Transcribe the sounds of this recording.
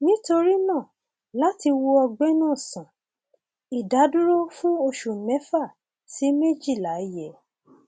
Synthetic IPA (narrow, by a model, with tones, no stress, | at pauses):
nĩ˦to˧ɾi˦nã˦˨ | la˨˦ti˧wo˧ɔ˧ɡ͡bɛ˦nãː˦˨sã˨ | i˨da˨˦du˦ɾo˦fũ˦o˧ʃu˨mɛ̃˨˦fa˦˨ | si˨˦me˦˨d͡ʒi˦˨la˨˦i˦jɛ˨